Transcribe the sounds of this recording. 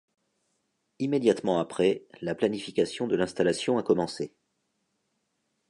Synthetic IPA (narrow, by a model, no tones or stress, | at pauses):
imed̪jat̪mɑ̃apχɛlaplanifikasjɔ̃d̪əlɛ̃st̪alasjɔ̃akɔmɑ̃se